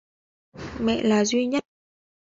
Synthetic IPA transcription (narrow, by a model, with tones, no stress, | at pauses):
mɛ̰˧˨ʔlaː˨˩zwi˧ɲə˦˥t̚